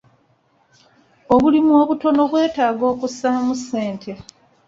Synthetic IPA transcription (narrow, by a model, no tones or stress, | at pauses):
o̞βulimwoːβuto̞no̞βwe̞ːtaːɡo̞ːkusamusːe̞ːntʰe̞